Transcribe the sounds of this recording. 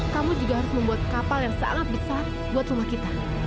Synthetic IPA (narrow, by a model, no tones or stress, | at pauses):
kamud͡ʒuɡahaɾʊsməmbuat̪̚kapaljaŋsa̰ŋat̪̚bisa | buat̪ɾumahkit̪a